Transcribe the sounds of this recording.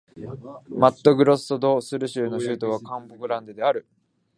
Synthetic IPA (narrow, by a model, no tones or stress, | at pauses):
mat̪ːo̞ɡɯ̟ɾo̞sɨ̥t̪o̞d̪o̞ːsɨɾɯ̟ɕɨːno̞ɕɯːt̪o̞β̞akãmbokɯ̟ɾãnd̪ɯd̪e̞aɾɯ̟